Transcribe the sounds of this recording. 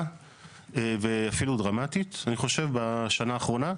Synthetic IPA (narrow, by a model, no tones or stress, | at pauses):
eveafiludʁamatitaniχo̞ʃe̞vbaʃanaːχʁo̞na